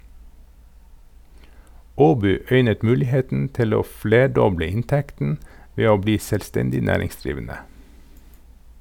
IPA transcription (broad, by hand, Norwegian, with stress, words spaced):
ˈoːbyː ˈœʏnət ˈmʉːlɪˌheːtn̩ ˈtɪl ˈoː ˈfleːˌɖɔblə ˈɪntɛktn̩ ˈʋeː ˈoː ˈbliː sɛlˈstɛndɪ ˈnæːɾɪŋsˌdɾiːʋənə